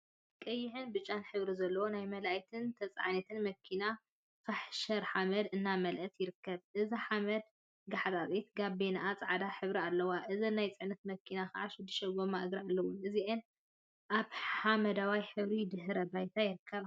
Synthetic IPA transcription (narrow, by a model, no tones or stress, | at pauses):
kʼɐjːɪħɨnbɨt͡ʃʼːanħɨβɾizɐlːɐwonajmɐlajt̪ʰɨnt̪ʰɐt͡sʼa̰ʕanɐt̪ʰɨnmɐkʰina | faħʃɐɾħamɐd̪ɨnːamɐlʔɐt̪jɪɾɨkʰːɐβʔɨziħamɐd̪̚ | ɡaħt̪ʼaβʼit̪ɡabenaʔat͡sʼaʕad̪aħɨβɾialːɐwaʔɨzɐnːajt͡sʼɨʕnɐt̪mɐkʰinaxaʕaʃɪd̪ːɨʃɐɡomːaʔɡɾalːɐwuɨziʔen | ʔaβħamɐd̪awajħɨβɾid̪ɨɦɾɐbajt̪ʰajɪɾɨkʰːɐβ